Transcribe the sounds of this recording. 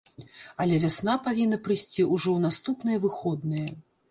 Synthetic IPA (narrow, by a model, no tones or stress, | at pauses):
ɐlʲɛvʲasn̪apavʲinːɐpɾɨsʲt͡sʲiʔuʐɔwnast̪upn̪ɨjɐvɨxɔd̪nɨjɐ